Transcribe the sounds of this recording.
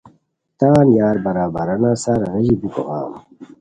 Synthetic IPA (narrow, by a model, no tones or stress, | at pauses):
t̪aːnjaːɾbɐɾaːbɐɾɐnaːsaːɾɐnɐʑibukoɣa̰ːm